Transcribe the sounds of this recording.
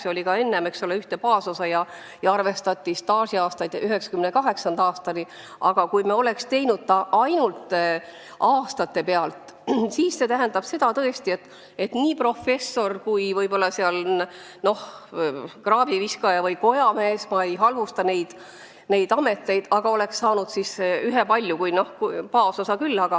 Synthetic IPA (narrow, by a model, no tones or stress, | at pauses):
seo̞lʲikɑe̞nːemeksoleyht̪epɑːsosɑjɑ | jɑɑrve̞st̪ɑt̪ʲːˑist̪ɑːsiɑːst̪ɑjd̪̥yɦe̞ksɑ̥kymnekɑɦe̞ksɑnd̪̥ɑːst̪ɑni | ɑɡ̥ɑkujmeo̞le̞kst̪e̞jnud̪̥̚t̪ɑʔɑjnult̪ | ʔɑːst̪ɑt̪ːe̞pe̞ɑlt̪ | siːsːe̞t̪æɦænd̪̥ɑb̥se̞d̪̥ɑt̪ɤest̪ie̞t̪ː | e̞t̪niːpro̞fe̞sːo̞rkujvɤjbo̞lːɑseɑl | no̞h | krɑːb̥iviskɑjɑvɤjko̞jɑme̞ːsmɑe̞jɦɑlvust̪ɑne̞jd̪̥ | ne̞jd̪ɑme̞t̪ːˑe̞jd̪̥ɑɡ̥ɑo̞le̞ksːɑːnud̪̥sisyɦe̞pɑlʲjukujno̞hkupɑːso̞sɑkylːɑɡ̥ɑ